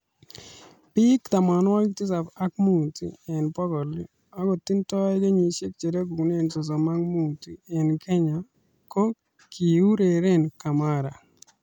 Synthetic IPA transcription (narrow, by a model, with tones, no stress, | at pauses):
pi˦kt̪a˨ma˨n˦ɔ˦lktɪ˦sa˨pa˦k̚mu˦˨tḭ˦ɛ˨npɔ˦ɡɔ˨li˦ | a˦ɡɔ˨ti˦ntɔ˦ɛ˦ɡe˦ɲi˨ʃe˦k̚t͡ʃe˨ɾa˦ɡu˨kne˦˨ntɔ˨s̬ɔ˨ma˦ŋmu˦˨ti˨ɛ˨nkɛ˦ɲa˨ | ko˦ | kʰi˨u˦ɾe˨ɾe˦nka˨ma˦ɾa̰˨